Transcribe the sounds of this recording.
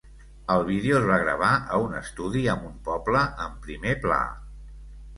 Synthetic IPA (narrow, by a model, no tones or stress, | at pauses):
əlˠβ̞iðeoəzβaɣɾə̰β̞aəunə̰st̪uðiəmumpɔbləəmpɾimepla̰